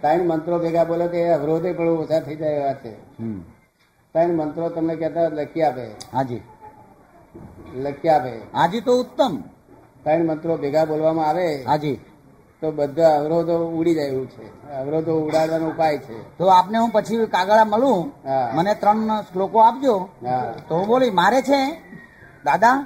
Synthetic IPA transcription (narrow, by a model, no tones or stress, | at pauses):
t̪əɳmənt̪ɾobʱeɡabolet̪eəʋɾod̪epəɽũəsaɾt̪ʰəid͡ʒaeʋat͡ʃḛɦ | t̪ənmənt̪ɾot̪əmnekɛt̪aləkiapḛɦad͡ʒḭ | ləkːiapead͡ʒit̪oʊt̪ːəm | t̪əiɳmənt̪ɾobʱeɡabolʋamãaʋeɦad͡ʒi | t̪obəd̪ʱaəʋɾod̪ouɽid͡ʒajʋũt͡ʃʰeəʋɾod̪ouɽaɽʋanũupajt͡ʃʰet̪oapneɦũpət͡ʃʰikaɡəɭaməlũɦamənet̪ɾəɳslokoap̚d͡ʒoɦat̪oɦũbolimaɾet͡ʃʰe | d̪ad̪a